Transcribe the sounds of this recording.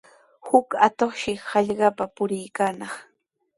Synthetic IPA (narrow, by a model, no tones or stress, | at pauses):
hʊkat̪oχʃɪhɑʎɢɑpapʊɾɪjkaːnɑχ